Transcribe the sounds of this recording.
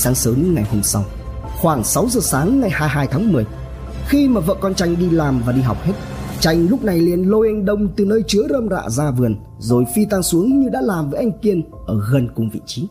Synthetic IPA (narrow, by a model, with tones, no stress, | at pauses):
saː˨˦ŋsəː˨˦m˦ŋa˨˩jho˧msa˧w | xwaː˧˩ŋsa˨˦wzəː˨˩saː˨˦ŋːa˨˩jhaː˧jɦaː˧jt̪ʰaː˨˦ŋmɨ˨˩əj | xi˧maː˨˩və̰ː˧˨kɔ˧nt͡ɕa˧jŋ̟ɗi˧laː˨˩mvaː˨˩ɗi˧ɦa̰˨˩wk͡p̚he˦˥t̚ | t͡ɕa˧jŋ̟lʊ˦˥k͡p̚na˨˩jli˨˧˩ənlo˧ʔe˧ŋɗə˧wŋ͡mt̪ɨ˨˩nəː˧jt͡ɕɨ˨˦əzəː˧mza̰ː˧˨zaː˧vɨ˨˩ən | zo˨˩jfi˧t̪aː˧ŋsu˨˦əŋɲɨ˧ɗa̰ː˧˥laː˨˩mvəː˨˦ʔa˧jŋ̟ki˧ən | ʔəː˧˩ɣə˨˩nkʊ˨˩ŋ͡mvḭ˧˨t͡ɕi˨˦